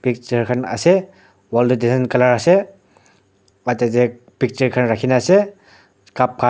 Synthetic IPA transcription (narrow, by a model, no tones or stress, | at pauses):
pik̚t͡ʃaɹkʰana̰sɛ | waldudizankalaɹasɛ | atɛzɛ | pik̚t͡ʃaɹkʰanɹakʰinaːsɛ | kap̚kʰa